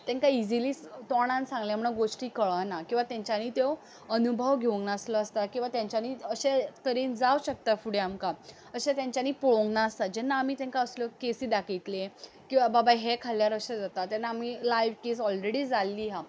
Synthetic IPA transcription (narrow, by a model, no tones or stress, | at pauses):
t̪ɛ̃ŋkaid͡ziliːst̪ɔɽ̃ãnsãŋɡljãm̤əɽ̃aɡoʂʈiːkəɭənakĩw̃ʋat̪jãɲt͡ɕaniːt̪e | ənubʱəʋɡʱeʋə̃ŋɡnasləəst̪akĩw̃ʋat̪jãɲt͡ɕaniːəɕet̪əɾiːnd͡zawɕək̚t̪afuɽ̤eamka | əɕẽt̪jãɲt͡ɕjaniːpuɭõŋɡnaəst̪ad͡ʑɛnːaːmiːt̪ɛ̃ŋkaəsljɔkesiːd̪akʰit̪le | kĩw̃ʋababajɦekʰalːjaɾəɕẽd͡zat̪at̪jɛnːaːmilajʋkes̬ɔlɾeɽiːd͡zalːiːɦa